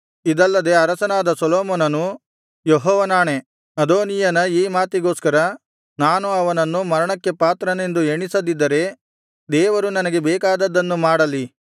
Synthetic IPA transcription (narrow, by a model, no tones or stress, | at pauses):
id̪ɐlːɐd̪e̞ɐɾɐsɐnaːd̪ɐsɔloːmɔːnɐnu | jeɦɔːʋɐnaːɳe̞ | nɐd̪oːnijɐnɐiːmaːt̪iɡo̞ːskɐɾɐ | naːnuɐʋɐnɐnːumɐɾɐɳɐkːe̞paːt̪ɾɐne̞nd̪ueɳisɐd̪id̪ːɐɾe̞ | d̪ɛːʋɐɾunɐnɐɡe̞bɛːkaːd̪ɐd̪ːɐnːumaːɽɐli